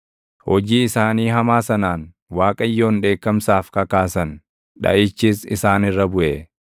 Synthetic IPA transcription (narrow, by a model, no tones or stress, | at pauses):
hɔd͡ʒiːɪsaːniːɦɐmaːsɐnaːn | waːkʼɐjːo̞ːnᶑe̞ːkːɐmsaːfkɐkaːsɐn | ᶑɐ̰ʔɪt͡ʃːiːsɪ̰saːnɪrːɐbʊʔe